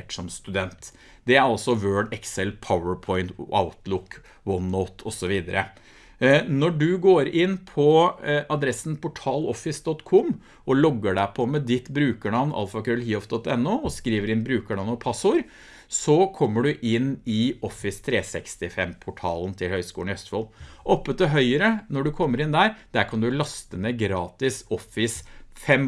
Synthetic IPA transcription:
ʈsɔmst̪ʉd̪ɛnt̪ | d̪ɛæɾɑlsɔʋøːɖɛksɛlpʰaʊəɹpʰɔɪnt̪ʔa̰ʊt̪lʊkː | wɔnːɔːt̪ʰɔsɔʋiːd̪əɾʔə | nɔɖʉɡoːɾɪnːpʰɔʔɑd̪ɾɛsnpʊʈʰɑːlɔfɪsd̪ɔt̪kʰɔm | ʔɔlɔɡːəɖæɪpʰɔmɛd̪ɪt̪bɾʉːkəɳɑʋnʔɑ̰lfɑkɾœlhiːɔfd̪ɔt̪ːɛnːʊɔskɾiːʋəɾɪnbɾʉːkəɳɑʋnɔpʰɑsʊɾ | sɔkʰɔmːəɖʉʔɪnɪɔfɪst̪ʰɾeːsɛkst̪ɪfɛmpʰʊʈʰɑ̰ːlnt̪ʰɪlhœʏskuːlnœst̪fɔlʔɔpːət̪ɪɦœʏəɾənɔɖʉkʰɔmːəɾɪnd̪æɾd̪̥æɾkʰɑnd̪ʉlɑst̪ənəɡɾɑːt̪ɪsɔfɪsfɛm

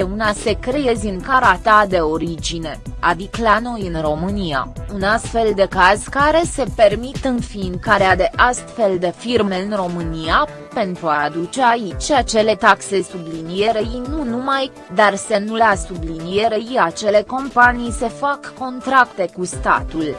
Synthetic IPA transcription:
eunase̞kɾejezʲɨŋkaɾat̪ad̪e̞o̞ɾid͡ʒine̞ad̪iklano̞jɨnro̞mɨnia̰unast̪fe̞ld̪e̞kaz̥kaɾe̞se̞permit̪ɨnfiŋkaɾead̪e̞ʔast̪fe̞ld̪e̞firme̞ɨnro̞mɨnija | pe̞nt̪ɾuad̪ut͡ʃe̞ait͡ʃʲat͡ʃe̞le̞t̪akse̞sublinije̞ɾenunumaj | d̪arse̞nuleasublinije̞ɾejiat͡ʃe̞le̞ko̞mpanijse̞fakːo̞nt̪ɾakt̪e̞kust̪a̰t̪ul

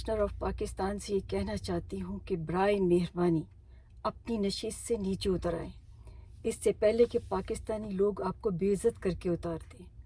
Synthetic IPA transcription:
ʃnəɾɔːfpaːkɪst̪aːnsejekɛɦnat͡ʃaːɦt̪iɦũkebɾaːemeːɦɾbaːni | ɐp̚ninɐʃiːst̪seniːt͡ʃeʊt̪əɾa̰ːẽː | ɪsːepɛɦlekepaːkɪst̪aːniloːɡaːp̚kobeːɪzət̪kɐɾkeʊt̪aːɾt̪ẽː

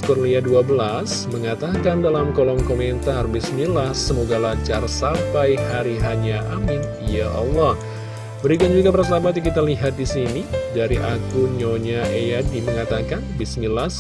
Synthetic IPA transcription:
kurliaduabəla | s | məŋat̪akandalamkolɔŋkomɛnt̪arbisnilahsəmoɡalat͡ʃarsapajɦaɾiɦaɲaʔamɪnijaʔɔ̰lːɔh | bəɾikand͡ʒuɡapərsəlabat̪̬jakit̪aliɦat̪̚disinidaɾiʔakuɲoɲaʔejadiməŋat̪akanbisnilas

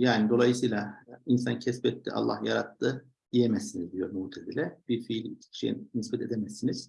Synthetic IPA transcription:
jaːnid̪o̞lˠajɯsɯjlˠainsancʰɛspɛt̪ːḭʔa̰lˠːa̰hjaɾat̪ːɯ | d̪̥ijemɛsːinizd̪ijo̞ɾmut̪ʰed̪ilʲɛb̥iɾfiːlʲicʰi̥cʰi̥ʃḛḭmnispɛt̪ʰed̪emɛsːiniz̥

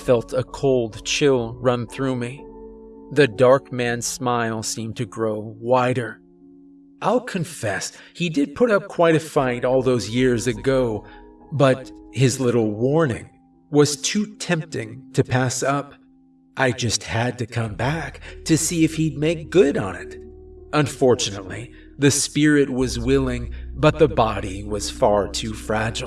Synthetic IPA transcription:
fɛlˠtʰəkʰoʊlˠd̚t͡ʃʰɪlˠɹʌ̃nθɹʉmi | ðɨdɑɹkmæ̃nz̥smaɪlˠsĩmtʰɨɡɹoʊwaɪɾə˞ | ʔaɪlˠkʰɨ̃ɱfɛshidɨd̚pʰʊɾʌp̚kʰw̥aɪɾɨfãɪ̃ɾɔlˠðoʊzjɪɹzɨɡoʊbʌthɨzlɪɾl̩ˠwɔɹnɪ̰̃ŋ | wʌz̥tʰʉtʰɛ̃mp̚tɪ̃ŋtʰɨpʰæsʌp | ʔaɪd͡ʒʌst̚hɨd̚tɨkʰʌ̃mbæktʰɨsiɨfhid̚meɪk̚ɡ̥ʊɾn̩ɪ̰tʔə̃ɱfɔɹt͡ʃɨnətˡli | ðɨspɪɹɨt̚wʌzwɪlˠɪ̃ŋbʌt̪̚ðəbɑɾiwʌz̥fɑɹtʰʉfɹæd͡ʒl̩ˠ

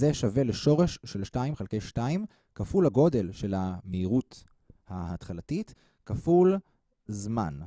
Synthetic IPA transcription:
zeʃave̞leʃo̞ʁeʃːelʃtaimχelkejʃtaim | kafulaɡo̞de̞lʃe̞lameiʁut | hahatχalatit | kaful | zma̰n

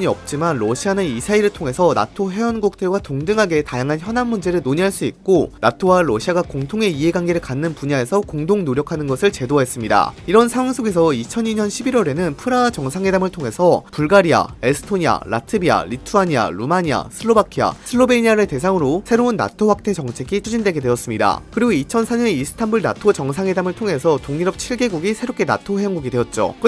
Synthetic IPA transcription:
ɲiʌp̚t͡ɕ͈imanɾʌɕʰianɯisʰaiɾɯɭtʰoŋe̞sʰʌna̰tʰoɦe̞ʌnɡok̚t͈ʰeɭɡwatoŋdɯŋɦaɡe̞tajaŋɦançjʌnanːund͡ʑe̞ɾɯɭnoɲiɦaɭs͈uik̚k͈onatʰowaɾʌɕʰiaɡakoŋtʰoŋe̞iɦe̞ɡanɡeɾɯɭkanːɯnpuɲae̞sʰʌkoŋdoŋnoɾjʌkʰanɯnɡʌsʰɯɭt͡ɕe̞doɦe̞s͈ɯmɲida̰iɾʌnsʰaŋwaŋs͈ʰoɡe̞sʰʌit͡ɕʰʌniɲʌnɕʰibiɾwʌɾe̞nɯnpʰɯɾaːt͡ɕʌŋsʰaŋɦe̞damɯɭtʰoŋe̞sʰʌpuɭɡaɾia̰esʰɯ̥tʰoɲia̰la̰tʰɯbia̰ɾitʰuaɲia̰ɾumaɲia̰sʰɯɭːobakʰia̰sʰɯɭːobeɲiaɾete̞sʰaŋɯɾosʰe̞ɾounːa̰tʰoɸwak̚t͈ʰe̞t͡ɕʌŋt͡ɕʰe̞ɡit͡ɕʰud͡ʑindwe̞ɡe̞dwe̞ʌs͈ɯmɲida̰kɯɾiɡoit͡ɕʰʌnsʰaɲʌneisʰɯ̥tʰanbuɭna̰tʰot͡ɕʌŋsʰaŋɦwe̞damɯɭtʰoŋɦe̞sʰʌtoŋiɾʌp̚t͡ɕʰiɭɡe̞ɡuɡisʰe̞ɾok͈e̞na̰tʰoɦe̞jʌŋɡuɡidwe̞ʌt̚t͡ɕ͈o̰

